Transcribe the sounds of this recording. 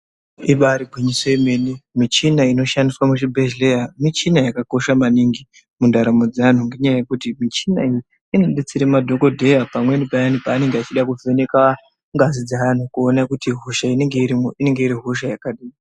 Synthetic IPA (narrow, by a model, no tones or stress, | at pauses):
iɓaɾibʱwiɲisoime̞nimit͡ʃinaino̞ʃandiswamuʃibʱeʒlejamit͡ʃinajakako̞ʃamaniŋɡi | mundaɾamo̞d͡zaan̤uŋɡe̞ɲajajekutimit͡ʃinaiji | ino̞ɗet͡siɾemadʱo̞ko̞dʱe̞japamwe̞nipajanipaːne̞ŋɡeat͡ʃiɗakuvʱe̞ne̞ka | ŋɡazid͡zaan̤ukuonakutiɦuʃaine̞ŋɡe̞iɾimoʔine̞ŋɡe̞iɾiɦuʃajakaɗiːi